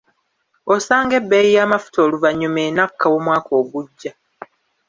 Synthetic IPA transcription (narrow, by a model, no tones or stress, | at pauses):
osaːŋɡe̞bːejijaːmafu̥tʰo̞ːluvaɲomeːnakːawomwaːko̞ːɡuɟːa